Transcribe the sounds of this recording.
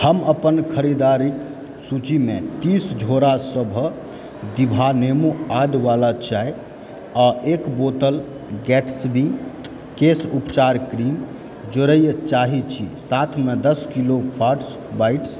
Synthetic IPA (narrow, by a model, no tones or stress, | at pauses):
həməpənkʰəɾid̪aɾik | sut͡ʃimet̪isd͡ʒʱoɾasəbʱ | d̪ibʱanemuad̪ʋalat͡ʃaj | aekbot̪əl | ɡɛʈʰsbʱi | kesupt͡ʃaɾkɾim | d͡ʒəɾəjt͡ʃaɦit͡ʃʰḭsat̪ʰmed̪əskilopʰaʈs | baiʈs